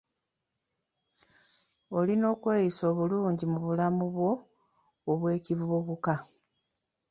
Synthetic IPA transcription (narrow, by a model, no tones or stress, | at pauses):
o̞lino̞ːkweːjiso̞ːβuluːɲɟimuβulamuβwo̞ː | βwe̞ːciβuoβuka